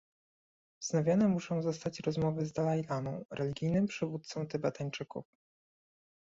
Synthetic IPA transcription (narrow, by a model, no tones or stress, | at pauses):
znavʲjɔnɛmuʂɔ̃w̃zɔst̪at͡ɕɾɔzmɔvɘzd̪alajlanɔ̃w̃ɾʔɛlʲiɡʲijnɘmpʂɘvut̪t̪sɔ̃w̃t̪ɛbat̪aɲt͡ʂɘkṵf